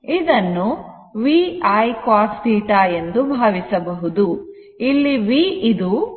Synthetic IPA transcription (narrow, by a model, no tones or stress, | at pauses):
id̪ɐnːu | ʋiːɐjkaːɾsiːʈaːe̞nd̪ubʱaːʋisɐbɐɦud̪u | ilːiʋiːid̪u